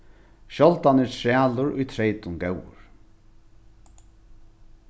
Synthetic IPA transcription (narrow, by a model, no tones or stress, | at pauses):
ʃɔlt̪anɪtʰɾɹæːlʊɾʊjt̪ʰɾɛjt̪ʊnɡɛwʊ̰ɹ